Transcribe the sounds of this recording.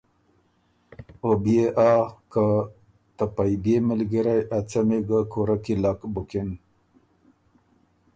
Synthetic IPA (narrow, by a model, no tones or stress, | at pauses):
obijeʔaka | t̪apajbemɪlɡəɾajʔat͡sameɡakoɾakilakbʊkɪn